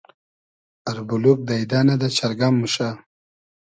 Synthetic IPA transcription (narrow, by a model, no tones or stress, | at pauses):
aɾbuluk̚d̪ajd̪anad̪at͡ɕʰaɾɡamːuʃa